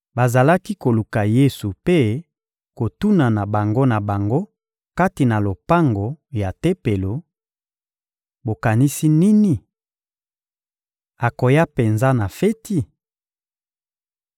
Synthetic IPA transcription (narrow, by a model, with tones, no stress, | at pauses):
ba˨za˨la˦ki˦ko˨lu˨ka˨je˦su˨pe˦ | ko˨tu˦na˨na˨ba˨ŋɡo˦na˨ba˨ŋɡo˦ | ka˦ti˨na˨lo˨pa˦ŋɡo˨ja˨te˦pe˨lo˨ | bo˨ka˨ni˦si˦ni˦ni˦ | a˨ko˨ja˦pe˨nza˦na˨fe˦ti˦